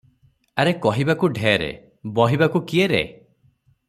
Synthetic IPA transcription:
aɾekɔɦibakuɖʱeɾḛ | bɔɦibakukieɾḛ

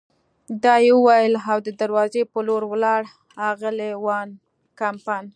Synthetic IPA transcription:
d̪ɑjewəwajəlawd̪əd̪aɾwɑzepəloɾwlɑɽ | hɑɣəlewɑn | kampɑjn

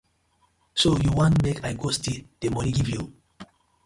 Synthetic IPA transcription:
sojuwãntmekʰajɡostid̥emɔniɡivju

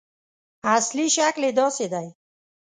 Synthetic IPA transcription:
asliʃakled̪ɔsed̪aj

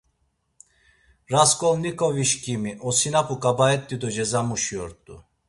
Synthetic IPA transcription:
ɾaskʼɔlnikʼɔviʃkʰʼimiʔɔsinapʰʼukʼabaɛt̪ʼːid̪ɔd͡ʒɛzamuʃiɔɾt̪ʼṵ

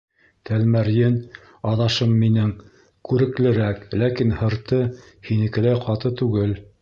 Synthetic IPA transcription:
t̪ælmæɾjɘn | ɑðɑʃɤmːinɘŋ | kʉɾɘ̆klɘ̆ɾæklækinhɤ̆ɾt̪ɤ | hinɘ̆kɘ̆læjqɑt̪ɤt̪ʉɡɘl

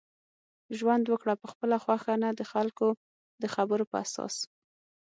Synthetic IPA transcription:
ʒwand̪wəkɽapəxpəlaxwaxanad̪əxalko | d̪əxabəɾopəa̰sɑ̰s

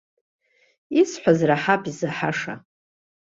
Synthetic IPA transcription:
isħʷazraħapʰizaħaʂa̰

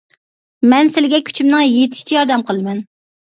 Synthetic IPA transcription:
mɛnsɪlɪɡʲɛkʲʰy̥t͡ʃʰymnɨŋjet̪ʰɪ̥ʃi̥t͡ʃʰɛjɑɾd̪ɛmqʰəlˠɨmɛn

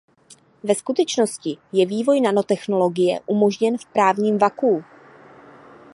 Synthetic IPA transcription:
vɛskut̪ɛt͡ʃno̞scɪjɛviːvo̞jnano̞t̪ɛxno̞lo̞ɡɪjɛ̰ʔumo̞ʒɲɛnfpɾaːvɲiːmvakuː

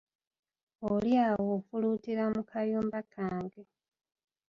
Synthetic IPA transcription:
oljaːwofulutiɾamukʰaljuːmbakʰaːŋɡe

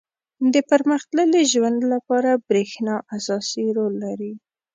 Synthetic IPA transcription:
d̪əpaɾməxt̪ləleʒwand̪lapɑɾabɾexnɑʔasɑsiɾolːaɾi

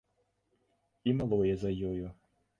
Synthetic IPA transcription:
imalˠɔjɛzɐjɔjʊ

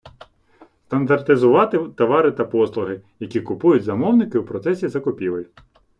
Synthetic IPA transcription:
st̪ɐnd̪ɐrt̪ɪzʊʋɑt̪ɪt̪ɐʋɑɾɪt̪ɐpɔslˠʊɦɪjɐkʲikʊpujʊtʲzɐmɔwnɪkɪwpɾɔt̪sɛsʲizɐkɔpʲiʋɪj

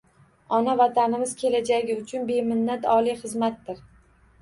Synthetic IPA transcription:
ɒnavat̪ʰanɪmɪz̥kʲʰe̞lad͡ʒaɡʲɪʊt͡ʃʰʊnbe̞mɪnːat̪ɒlijχɨzmat̪ːɪɾ

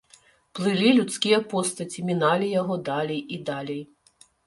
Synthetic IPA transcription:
plˠɪlʲilʲut̪sʲkʲijɐpɔst̪ɐt͡sʲimʲinɑlʲijaɦɔd̪ɑlʲijid̪ɑlʲij

